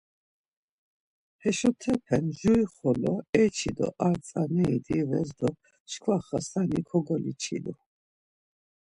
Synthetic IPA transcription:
hɛʃɔt̪ʰɛpʰɛnʒuiχɔlɔɛt͡ʃʰid̪ɔ̰ʔaɾt͡sʼanɛid̪ivɛzd̪ɔ | ʃkʰwaχasanikʰɔɡɔlḭt͡ʃʰḭd̪u

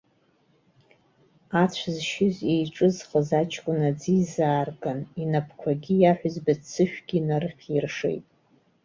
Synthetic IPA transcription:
at͡ɕʷʰzʃɪzejʈ͡ʂʼɨzχəzat͡ʃʰʼkʷʼʊnad͡zizaːrɡʼaninapʰkʷʰaɡʲijaħʷᶣʊzbat͡sʰːɨʃᶣɡ̥ʲinarɨχʲirʂḛjtʼ

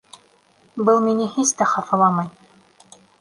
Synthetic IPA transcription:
bɤlˠminɘhist̪æχɑfɤ̆lˠɑmɑj

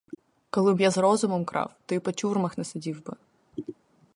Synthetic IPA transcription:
kɔlˠɪbjazɾɔzʊmɔmkɾɑ̰wt̪ɔipɔtʲurmɐxnɛsɪdʲiwbɪ

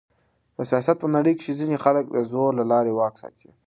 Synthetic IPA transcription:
d̪̥əsijɑsat̪̚pənaɽəjke̥ʃezinexalək̚d̪əzoɾlalɑɾewɑksɑ̰t̪ʰi

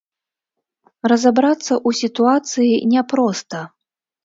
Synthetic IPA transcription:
rɐzabɾat̪sːɐʔusʲit̪uat̪sɨjinʲɛpɾɔst̪ɐ

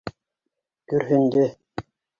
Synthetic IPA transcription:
kɵɾɦɵ̆nd̪ɘ

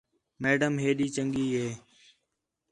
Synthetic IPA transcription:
meːɖəmɦeːɗiːt͡ʃəŋɡiːɦeː

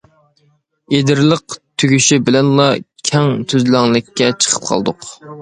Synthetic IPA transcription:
ed̪ɪɾlˠəq̚t̪ʰyɡʲyʃibɪlɛnlˠɑkʲʰɛŋt̪ʰyzlæŋlˠɪkʲʰːɛt͡ʃʰə̥qʰə̥p̚qʰɑ̰lˠd̪ʊq

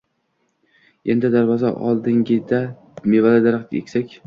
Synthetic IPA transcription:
end̪ɪd̪aɾvɒza̰ʔɒ̰lˠd̪ɪŋɡʲɪd̪a | mevalad̪aɾq̪ḛkʲsakʲ

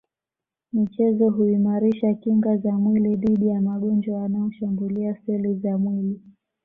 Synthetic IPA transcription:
mit͡ʃɛzɔɦuimaɾiʃakiŋɡazamwiliðiɗijamaɠɔnd͡ʒwawanaɔʃambuliasɛlizamwili

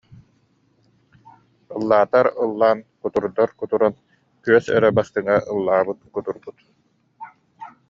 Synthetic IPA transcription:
ɯlˠːaːt̪aɾɯlˠːaːnkut̪uɾd̪ɔɾkut̪uɾɔn | kyœsɛ̰ɾɛbast̪ɯŋaʔɯlˠːaːbɯt̪̚kut̪uɾbut̪

